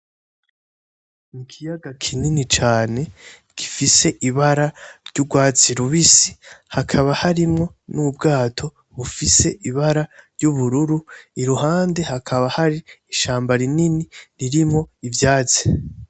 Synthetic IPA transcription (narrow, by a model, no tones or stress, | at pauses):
nikʰijaɡakʰininit͡ʃaːne̞ | ki̥fise̞ʔiβaɾaɾɟuɡwaːt͡siɾuβisi̥hakʰaβahaɾimŋo̞nub̚ɡaːtʰo̞ | βufise̞ʔiβaɾaɾɟuβuɾuɾuiɾuɦaːnde̞hakʰaβahaɾiːʃaːmbaɾininiɾiɾimŋo̞ivjaːt͡si̥